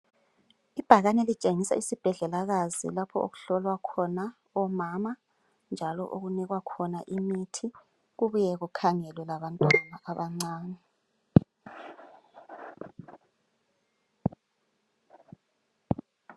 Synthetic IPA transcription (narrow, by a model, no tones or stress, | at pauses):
ib̥ʱaɣanɛlit͡ʃʼeŋisa̰isib̥ʱɛɮɛlaɣazḭlapʰɔo̰ɣuɬɔlwakʰɔna | ɔmama | nd͡ʒʱalɔ̰ʔoɣuniɣwakʰɔnaʔimitʰi | ɣuβujɛɣukʰaŋɛlwɛlaβantʼwanaʔaβaŋ͡ǀaːnɛ